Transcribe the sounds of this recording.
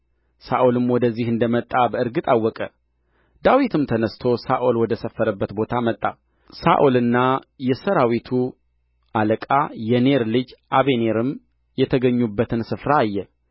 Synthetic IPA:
saʔolɨmwɔd̪əzːihɨnd̪əmət̪ʼːabəɨɾɡɨt̪ʼawːɔkʼə | d̪awit̪ʰɨmt̪ʰənəst̪ʰo̞saʔolwɔd̪əsəfːəɾəbːət̪bo̞t̪ʰamət̪ʼːa | sa̰ʔolɨnːajɛsəɾawit̪ʰu | ʔaləkʼajɛne̞ɾlɨd͡ʒʔaβe̞ne̞ɾɨm | jɛt̪ʰəɡəɲːubːət̪ʰɨnsɨfɾaːjːɛ

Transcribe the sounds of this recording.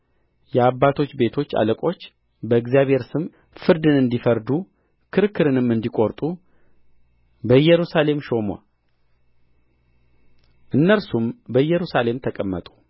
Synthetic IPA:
jɛabːat̪ʰo̞t͡ʃːbe̞t̪ʰo̞t͡ʃːa̰ləkʼo̞t͡ʃː | bəɨɡzijaβhe̞ɾsɨm | fɨɾd̪ɨnɨnd̪ifəɾd̪u | kʰɨɾɨkʰːɨɾɨnɨmɨnd̪ikʼo̞ɾt̪ʼu | bəjːɛɾusale̞mʃo̞ma̰ | ʔɨnːəlsumbəjːɛɾusale̞mt̪ʰəkʼəmːət̪ʼu̥

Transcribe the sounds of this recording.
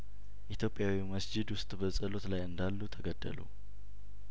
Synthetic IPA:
ʔit̪ʰjo̞pʼɪjawiməsd͡ʒɪd̪wʊst̪ʼbəsʼəlo̞t̪lajɨnd̪alːut̪ʰəɡəd̪ːə̰lṵ

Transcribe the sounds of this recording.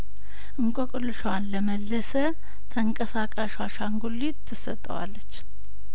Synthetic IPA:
ʔɨŋkʼokʼɨlːɨʃwanləməlːəsə | t̪ʰəŋkʼəsakʼaʃwaʃaŋɡulːit̪ʰːɨsət̪ʼːə̰wa̰lːət͡ʃː

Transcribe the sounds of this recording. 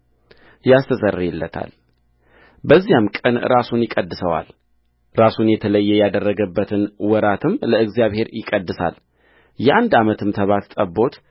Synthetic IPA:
jast̪ʰəsərːɛlːət̪ʰa̰l | bəzːijamkʼənɾasunjɪkʼəd̪ːɨsəwa̰l | ɾasunjɛt̪ʰələjːɛjad̪ərːəɡəbːət̪ʰɨnwɔɾat̪ʰɨmləɨɡzijaβhe̞ɾjɪkʼəd̪ːɨsa̰l | jɛʔand̪amət̪ʰɨmt̪ʰəβat̪t̪ʼəbo̞t̪

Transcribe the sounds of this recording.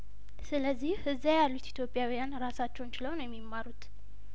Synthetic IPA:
sɨləzːihhɨzajalːut̪it̪ʰjo̞pʼːjawijanɾasat͡ʃːɛwnt͡ʃɪləwnəwjɛmːimːaɾut̪

